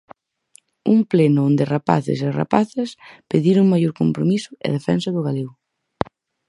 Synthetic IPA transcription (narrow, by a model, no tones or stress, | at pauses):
uŋplenʊond̪ɪrapa̰θɪ̰sera̰paθespeðiɾʊŋmajoɾkompɾomisʊḛðefɛnsaðʊɣalew